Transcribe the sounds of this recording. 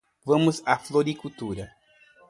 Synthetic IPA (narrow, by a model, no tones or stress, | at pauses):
vɐ̃mʊzafloɾikut̪uɾɐ